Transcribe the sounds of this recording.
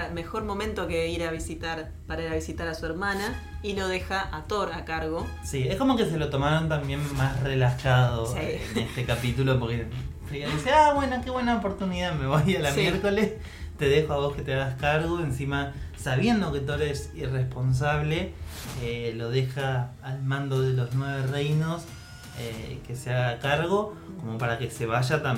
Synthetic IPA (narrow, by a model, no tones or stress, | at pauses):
me̞xo̞ɾmo̞mẽnt̪okeiɾaβisit̪aɾ | paɾaiɾaβisit̪aɾasueɾmanailo̞ðexaʔat̪oɾakaɾɣosie̞hko̞mo̞ke̞s̬e̞lo̞t̪o̞maɾo̞nt̪ambje̞nmasre̞laxað̞o̞ienest̪ekapit̪ulo̞po̞ɾkefikaðiseaβwe̞nokeβwe̞naopo̞ɾt̪uniðame̞βojalamje̞ɾko̞le̞s | t̪e̞ðexoaβo̞ske̞t̪eaɣaskaɾɣo̞ensimasaβje̞nd̪o̞ke̞t̪ueɾesirespo̞ns̬aβle̞elo̞ð̞e̞xaːlmãnd̪o̞ðelo̞znwe̞βerejno̞s | eke̞seaɣakaɾɣo̞ko̞mo̞paɾake̞se̞βaʒat̪a